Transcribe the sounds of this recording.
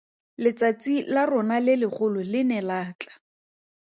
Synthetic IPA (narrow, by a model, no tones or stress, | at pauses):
lɪt͡sat͡silarʊnalɪlɪχʊlʊlɪnɛlaːt͡ɬḁ